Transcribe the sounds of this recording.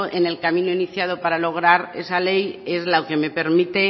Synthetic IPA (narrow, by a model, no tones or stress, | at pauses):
ʔene̞lkamĩnoiniθjað̞o̞paɾalo̞ɣ̞ɾaɾe̞̰sale̞je̞zlaoke̞me̞pe̞ɾmit̪e̞